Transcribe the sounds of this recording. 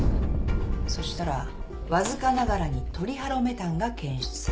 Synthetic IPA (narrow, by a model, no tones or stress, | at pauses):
so̞ɕi̥t̪aɾa | βazɨkanaɡaɾaɲ̟it̪o̞ɾʲihaɾo̞me̞t̪ãŋɡakẽ̞ɰ̃ɕi̥t͡sɨ̥s